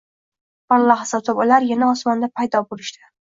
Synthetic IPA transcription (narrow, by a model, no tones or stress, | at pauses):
balˠːɑχsɒt̪ʰɪpʊlaɾjanaɒsmɒnd̪apʰajd̪ɒbolɪʃt̪ɪ